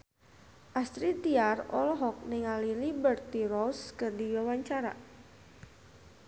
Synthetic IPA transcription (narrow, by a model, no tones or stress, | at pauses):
ʔast̪ɾit̪iarɔ̰lɦɔk̚nɪŋalilibərt̪irɔskɨrdiwawaɲt͡ʃaɾa̰